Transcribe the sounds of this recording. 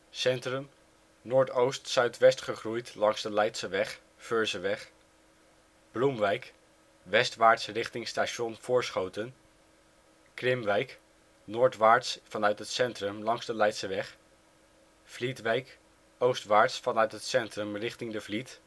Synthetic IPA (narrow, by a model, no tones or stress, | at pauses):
sɛntrəm | nʊːɹtowstsœɥtʋɛstχəχrujtlɑŋz̥dəlɛjtsəʋɛχ | føɹzəʋɛχ | b̥lumʋɛjk | ʋɛstʋaːɹtsrɪχtɪŋstaʃɔnv̥ʊːɹsχowtən | krɪmʋɛjk | nʊːɹtʋaːɹtsfɑnœɥtɦətsɛntrəmlɑŋzdəlɛjtsəʋɛχ | v̥litʋɛjk | owstʋaːɹtsfɑnœɥtɦətsɛntrəmrɪχtɪŋdəvlit